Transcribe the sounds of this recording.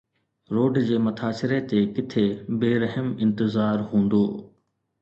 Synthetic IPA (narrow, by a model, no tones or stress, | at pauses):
ɾoːɖd͡ʑeːmɐt̪ʰaːsɪɾet̪ekɪt̪ʰebeːɾəɦəmɪ̃nt̪ɪzaːɾɦũːnd̪oː